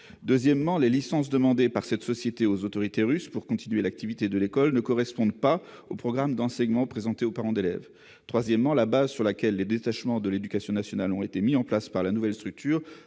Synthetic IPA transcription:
d̪øzjɛmːɑ̃lelisɑ̃s̬d̪əmɑ̃d̪epaʁsɛt̪sɔsjet̪eozot̪ɔʁit̪eʁyspuʁkɔ̃t̪inɥelak̚t̪ivit̪ed̪əlekɔlnəkɔʁɛspɔ̃d̪paopχɔɡʁamd̪ɑ̃sɛɲmɑ̃pχezɑ̃t̪eopaʁɑ̃d̪elɛ̰v | t̪χwazjɛmːɑ̃labazsyʁlakʲɛlːed̪et̪aʃmɑ̃d̪əled̪ykasjɔ̃nasjɔnalɔ̃et̪emiɑ̃plaspaʁlanuvɛlst̪χyk̚t̪yːʁ

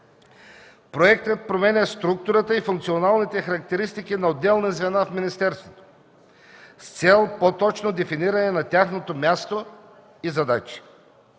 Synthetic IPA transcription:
pɾoɛk̚t̪ət̪̚pɾomɛnʲɛst̪ɾuk̚t̪ʊɾət̪əifuŋkt̪sionalˠnit̪ɛxɐɾɐk̚t̪ɛɾist̪ikinɐod̪ːɛlˠnɛzvɛnafminist̪ɛɾst̪vot̪o̥ | st̪sɛlˠpot̪ɔt͡ʃnod̪ɛfiniɾənɛnɐt̪ʲjaxnot̪omʲjast̪o | izɐd̪at͡ʃi̥

